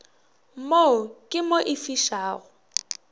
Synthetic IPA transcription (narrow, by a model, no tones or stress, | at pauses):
mokʼɪmoʔɪfiʃaːɣʊ